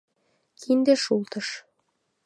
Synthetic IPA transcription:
kʰind̪ĕʃulˠt̪ɤ̆ʃ

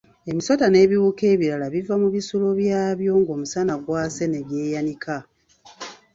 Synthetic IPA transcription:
e̞miso̞tane̞ːβiwuːke̞ːβiɾalaβivamuβisuloβjaːβjo̞ːŋɡo̞ːmusanaɡwaːse̞ne̞ɡje̞ːjanikʰa

